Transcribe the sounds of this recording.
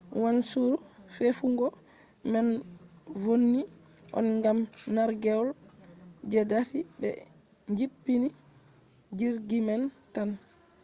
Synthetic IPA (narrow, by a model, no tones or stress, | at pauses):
wansuɾu | fefuŋɡɔ | mɛn | vonːi | ʔɔ̰nŋɡamnaɾɡɛɔl | d͡ʒɛdasibɛ̰ | ɲd͡ʒipːini | d͡ʒiɾɡimɛn | tan